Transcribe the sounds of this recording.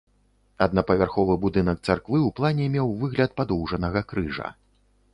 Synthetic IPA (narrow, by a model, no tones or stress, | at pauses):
ɐd̪nɐpɐvʲarxɔvɨbud̪ɨnɐk̚t̪sarkvɨuplˠanʲɛmʲɛwvɨɣlʲɐt̪̚pad̪ɔwʐɐnɐɣɐkɾɨʐɐ̰